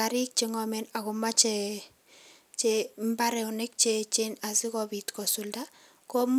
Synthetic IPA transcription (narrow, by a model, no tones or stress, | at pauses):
aɾik̚t͡ʃeŋɔmɛnakumat͡ʃe | t͡ʃembaɾɛwnek̚t͡ʃet͡ʃenasikɔbitkɔsulda | kɔm